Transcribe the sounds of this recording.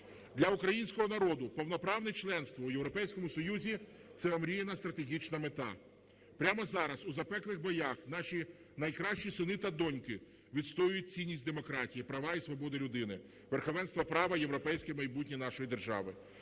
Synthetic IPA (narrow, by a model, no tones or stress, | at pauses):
d̪lʲɐukɾɐjinʲsʲkɔɦɔnɐɾɔd̪ʊpɔwnɔpɾɑwnɛt͡ʃlˠɛnst̪ʋɐujewɾɔpɛjsʲkɔmʊsɔjuzʲi | t̪sɛɔmɾʲijenɐst̪ɾɐt̪e̞ɦʲit͡ʃnɐmet̪ɑ̰ | pɾʲamɔzɑɾɐsuzɐpɛklˠɪxbɔjɑxn̪ɑʃʲi | nɐjkɾɑʃt͡ʃisɪnɪt̪ɐd̪ɔnʲkɪ | ʋʲid̪st̪ɔjʊjʊt̚ʲt͡sʲinʲːisʲtʲd̪emɔkɾɑtʲijipɾɐʋɑisʋɔbɔd̪ɪlʲʊd̪ɪnɪ | ʋerxɔʋɛnst̪ʋɐpɾɑʋɐje̞wɾɔpɛjsʲkɪmɐjbut̚ʲnʲinɑʃɔjid̪erʒɑ̰ʋɪ